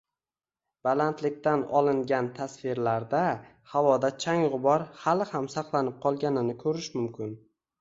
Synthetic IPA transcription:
b̥alant̪ʰlɪk̚ʲt̪anɒlˠɪŋɡʲant̪ʰasfɪɾlaɾd̪a | havɒd̪at͡ʃʰaŋʁʊbɒɾhalˠɪhamsaqlˠanɪp̚qʰɒlˠɡʲanɪnɪkʰɵɾɪʃmʊmkʲʰɪn

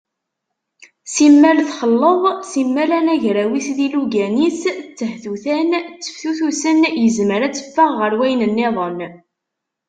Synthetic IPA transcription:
simːælθχəlːəðˤsimːælænæʝɾæwisðiluɡænist͡sːəhθuθænt͡sːə̥fθuθusənjəzməɾæt͡sːə̥fːəʁːəɾwæjnənːeðˤən

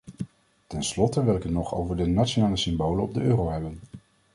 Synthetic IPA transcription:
tɛnslɔtəʋɪlɪkənɔχo̰wvəɹdənatt͡ʃonaːləsʏmbowlənɔb̚dəʔøːrowɦɛbən

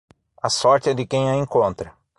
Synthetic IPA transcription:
ɐsɔɾt͡ʃ̪ɪɛd̪ɪkẽj̃ɐẽkõnt̪ɾɐ

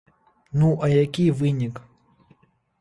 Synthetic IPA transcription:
nuʔajakʲʼivɨɲikʼ

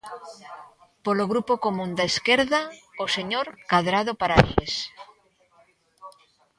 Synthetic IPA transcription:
poloɣɾupokomũnd̪aeskeɾðaoseɲoɾkaðɾaðopaɾaies

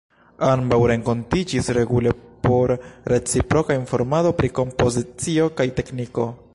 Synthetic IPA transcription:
ambawɾe̞ŋko̞ntid͡ʒisɾe̞ɡule̞po̞ɾːe̞t͡sipɾo̞kainfo̞ɾmado̞pɾiko̞mpo̞zit͡sio̞kajte̞kniko̞

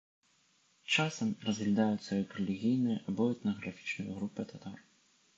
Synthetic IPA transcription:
t͡ʂasɐmrɐzɣlʲad̪ajut̪sɐjɐkrɛlʲiɣʲijnɨjɐʔabɔɛt̪nɐɣɾafʲi̥t͡ʂnɐjɐ̰ɣɾupɨt̪at̪ar

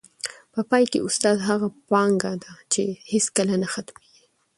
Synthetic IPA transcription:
pəpɑjkḛʔʊst̪ɑd̪ɦaɣapɑŋɡad̪at͡ʃeheskəlanaxat̪meɡi

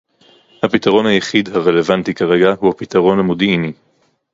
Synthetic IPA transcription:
hapit̪aʁo̞nhajeχid̪haʁele̞vant̪ikaʁeɡahuhapit̪aʁo̞namud̪ini

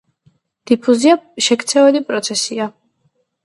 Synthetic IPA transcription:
d̪̥ipʰuziaʃɛkʰt̪sʰɛvɛlipʼɾɔt̪sʰɛsia

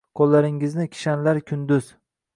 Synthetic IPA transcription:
kʰɒlːaɾɪŋɪznɪkʲʰɪ̥ʃanlaɾkʲʰʊnd̪ʊz̥

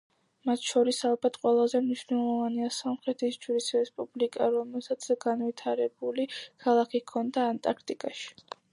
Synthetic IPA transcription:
mat̪ʰʃɔɾisalˠbat̪ʰqʼwɛlˠazɛmniʃvnɛlˠɔvaniasɔmχɾɛt̪ʰisd͡ʒuɾisɾɛspʼublikʼaɾɔmɛlˠsat̪sʰɡ̥anvit̪ʰaɾɛbulikʰalˠakʰikʰɔnd̪aːnt̪ʼaɾkʰt̪ʼikʼaʃi̥

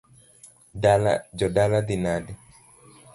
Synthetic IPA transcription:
dala̰d͡ʒɔdalad̪inadɛ

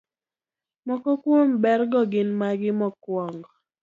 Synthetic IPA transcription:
mɔkɔkwombɛɾɡɔɡɪnmaɡɪmɔkwɔŋɡɔ

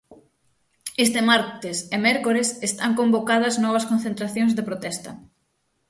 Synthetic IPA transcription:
est̪emaɾt̪esemɛɾkoɾesest̪aŋkombokað̞ɐznɔβ̞ɐskõn̟θẽnt̪ɾaθjoŋzðepɾot̪ɛst̪ɐ̰

